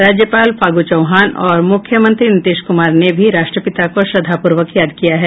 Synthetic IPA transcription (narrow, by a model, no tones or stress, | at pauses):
ɾaːd͡ʒjəpaːlfaːɡut͡ʃɐʊɦaːnɔːɾmʊkʰjəmə̃nt̪ɾinɪt̪ɪːʃkʊmaːɾnebʱiɾaːʃʈɾəpɪt̪akoʃɾɐd̪ʱapʊɾʋəkjaːd̪kijaɦɛː